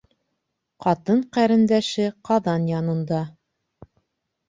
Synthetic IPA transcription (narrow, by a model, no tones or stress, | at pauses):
qɑt̪ɤɴqæɾɘ̆nd̪æʃɘqɑðɑnjɑnɤ̆nd̪ɑ